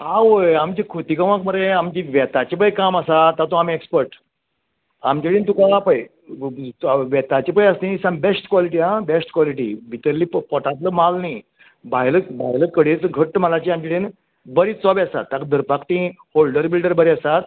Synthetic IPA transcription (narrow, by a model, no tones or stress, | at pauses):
aʋəamt͡ɕikʰot̪ikəʋãk̚məɾeamt͡ɕiʋɛt̪at͡ɕip̬əjkamasat̪ːat̪ũamiekspəɾʈ | amt͡ɕiɽiːnt̪ukaapəj | ʋɛt̪at͡ɕipəjast̪ĩsãmbesʈkʋɔliʈiãbesʈkʋɔliʈḭbʱit̪əɾliːppɔʈat̪ləmalni | bajləbʱa̰jləkəɽet͡sɡʱəʈːəmalat͡ɕiamt͡ɕiɽin | bəɾiːt͡sɔbasa̰t̪ːakd̪əɾpakt̪ĩ | holɖəɾbilɖəɾbəɾiasat̪̚